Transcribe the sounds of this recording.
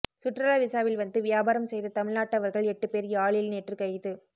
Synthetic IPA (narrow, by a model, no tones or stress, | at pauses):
sʊʈrɐlaːʋɪsaːʋɪlʋɐnd̪ɯʋɪjaːbaːɾɐmsɛjðɐt̪ɐmɪɭnaːʈːɐʋɐɾɣɐɭɛʈːɯpeːɾjaːɭɪlneːʈrɯkɐjðɯ